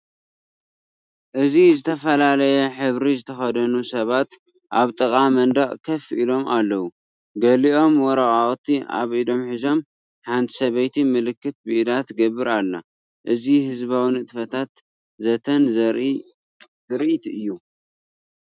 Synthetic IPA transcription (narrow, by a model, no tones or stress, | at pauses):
ʔɨzizɨt̪ʰɐfɐlalɐjɛħɨβɾizɨt̪ʰɐxɐd̪ɐnusɐβat̪ | ʔaβt̪ʼɨkʼamɐnd̪aʔʼkʰɐfʔilo̞mʔalːɐwu | ɡɐliʔo̞mwɔɾaʔʼaχʼt̪ʰiʔa̰βʔid̪o̞mħizo̞m | ħant̪ʰi̥sɐβɐjt̪ʰimɨlɨkːɨt̪̚biʔd̪at̪ɡɐβɨɾalːa̰ | ʔɨzihɨzβawinɨt̪ʼɨfɐt̪ʰat̪ | zɐt̪ʰɐnzɾ | zɨɾʔit̪ɨjːu